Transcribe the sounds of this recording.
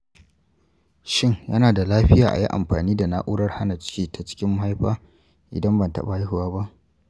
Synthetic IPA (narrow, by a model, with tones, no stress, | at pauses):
ʃɪ˦ŋjɐ˦naː˨da˨laː˦ɸɪ˦jaː˨ʔa̰˨jḭ˦ʔa̰˨mɸaː˨niː˦da˨naː˦ʔʷʊː˦ɽɐ˦rha˦na˨t͡ʃɪ̥˦kʲiː˦ta˨t͡ʃɪ̥˦kʲɪ˦mːʊ˦ha˦jɸaː˦ | ʔɪ̰˨dɐ˦mbɐ˨ntɐ̰˦ɓa˨˦jɪ˦hʊ˨waː˦ba˦ʔ